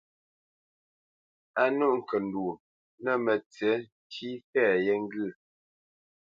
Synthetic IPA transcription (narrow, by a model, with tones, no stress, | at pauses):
a˦nu˦ʔŋ̩˨kə˨n˨du˨ | nə˦˨mə˨t͡sɛ˨˦ti˦fɛ˦˨jɛ˦ŋ˦ɡɨ˦˨